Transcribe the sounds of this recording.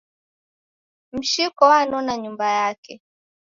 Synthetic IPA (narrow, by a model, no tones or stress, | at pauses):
m̩ʃikɔwanɔnaɲumbajakɛ